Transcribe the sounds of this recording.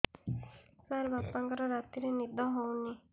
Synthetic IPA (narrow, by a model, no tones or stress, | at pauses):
saɾbapãŋkɔɾɔɾat̪iɾenid̪ʱɔɦɔwni